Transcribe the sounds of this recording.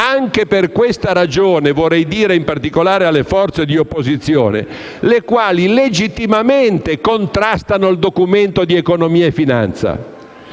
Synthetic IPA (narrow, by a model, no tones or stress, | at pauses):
aŋkeperkwest̪aɾad͡ʒoːnevorɛjd̪iːɾeimpart̪ikolaːɾealːefɔrt̪sed̪iopːozit̪sːjo̰ːnḛ | lekwaːliled͡ʒit̪ːimament̪ekont̪ɾast̪anoild̪okument̪od̪iekonomiːaefːina̰nt̪sa̰